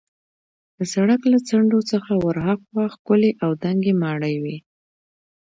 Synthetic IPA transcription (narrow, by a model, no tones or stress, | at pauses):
d̪̥əsaɽaklat͡saɳɖot͡səxawaɾɦaqwɑxkʊleʔawd̪aŋɡemɑɽəjwi